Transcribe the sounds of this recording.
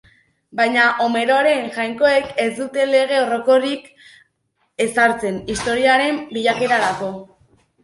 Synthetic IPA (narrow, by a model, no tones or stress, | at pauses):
bajɲaʔome̞ɾo̞aɾe̞ŋʝajŋko̞e̞ke̞zd̪ut̪e̞le̞ɣ̞e̞oro̞ko̞ɾik | e̞saɾt͡se̞nist̪o̞ɾiaɾe̞mbiʎake̞ɾaɾako̞